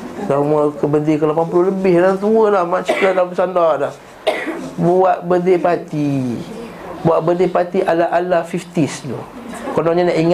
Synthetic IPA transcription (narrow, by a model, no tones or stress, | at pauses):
ɡaməkəbədikəlapampuloləbɪhlat̪uəlahmat͡ʃiladapəsandadah | buaʔbədepat̪i | buaʔbədepat̪iʔalaʔalafift̪isnṵ | kɔnɔɲanaʔiŋ